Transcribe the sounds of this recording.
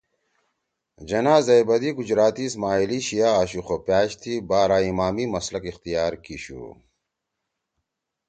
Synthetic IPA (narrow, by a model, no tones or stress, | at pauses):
d͡ʑɐnaːzɐjbɐd̪iɡud͡ʑɾaːt̪iːsmaːiliɕijaːɕuxopjaːɕt̪ʰibaːɾaːimaːmimɐslɐkixt̪ijaːɾkiɕṵː